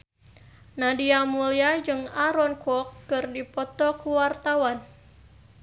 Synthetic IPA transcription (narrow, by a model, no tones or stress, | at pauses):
nadiamuliad͡ʒɨŋaɾɔnkɔkːɨrdipɔt̪ɔkuwart̪awan